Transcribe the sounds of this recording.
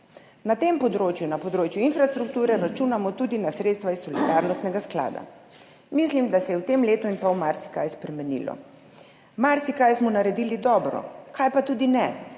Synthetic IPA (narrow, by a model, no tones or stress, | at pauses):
nat̪empɔd̪ɾoːt͡ʃjunapɔd̪ɾoːt͡ʃjuinfɾast̪ɾuk̚t̪uːɾɛɾat͡ʃuːnamɔt̪uːd̪inasɾet̪st̪ʋaisːɔlid̪aɾnɔst̪nɛɡaskla̰ːd̪a̰ | mislimd̪asɛjɛwt̪emleːt̪uinpawmaɾsi̥kajspɾɛmɛnḭlɔ̰ | maɾsikajsmɔnaɾɛd̪ilid̪ɔːbɾɔ̰kʰajpat̪uːd̪inɛ